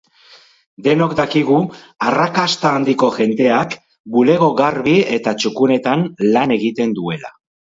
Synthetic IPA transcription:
d̪e̞no̞kd̪akiɣ̞u | arakast̪aːnd̪iko̞ʝe̞nd̪e̞ak | bule̞ɣo̞ɣaɾβie̞t̪at͡ʃukune̞t̪anlane̞ɣit̪e̞nd̪ue̞la̰

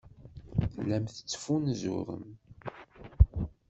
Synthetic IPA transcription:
lːæmθə̥t͡sːfunzṵɾə̰m

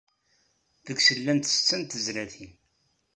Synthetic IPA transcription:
ðəɡsəlːænt̪st͡sːənt̪əzɾæθin

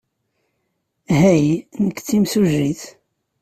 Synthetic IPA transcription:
ɦæjnəkːt͡sːimsuʒiθ

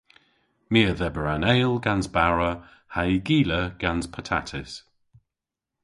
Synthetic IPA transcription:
miəðɛbəɹanɛɪlˠɡanzbaɹə | haiɡiːləɡ̥anzpʰətʰa̰tʰɪs

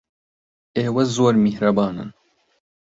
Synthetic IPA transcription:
eːwɐzoːɾmihɾɐbɑːnɨ̰n

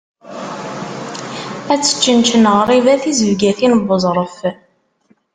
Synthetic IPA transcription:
æt͡sːə̥t͡ʃːənt͡ʃənəʁɾˤivæθizəvɡæθinbəzˤɾˤəf

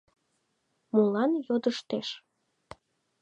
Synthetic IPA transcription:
mulɑnjod̪əʃt̪eʃ

